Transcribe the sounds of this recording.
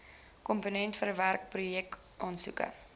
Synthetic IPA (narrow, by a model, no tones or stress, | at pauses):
kɔmponɛntfəɾəværk̚prujɛk | ʔɑːnsṵkə̰